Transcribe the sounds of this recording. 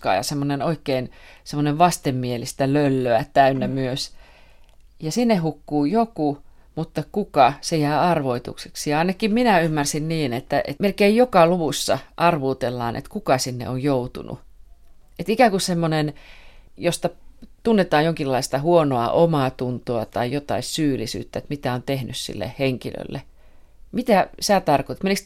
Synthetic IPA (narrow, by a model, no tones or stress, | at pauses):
kɑ̰ːjɑ̰semːonenoikːeinsemːoneʋʋɑst̪emmielist̪ælølːøæt̪æynːæmyøs | jɑsinːehhukːuːjoku | mut̪ːɑkukɑsejæːɑrʋoit̪ṵkseksiɑɑinɑkːimminæymːærsinniːnet̪ːæḛtmelkeijjokɑluʋusːɑ̰ʔɑrʋuːt̪elːɑ̰ːnʔḛt̪kukɑsinːḛojjout̪ṵnṵ | et̪ikæŋkussemːonen | jost̪ɑt̪unːet̪ɑːjjoŋkilːɑist̪ɑhuonoɑ̰ʔomɑˑt̪unt̪oɑt̪ɑijot̪ɑ̰issyːlisy̰ːt̪ːæet̪mit̪æont̪ehnyssḭlːḛhheŋkilø̰lːḛ | mit̪æsæːˑt̪ɑrkot̪et̪meliks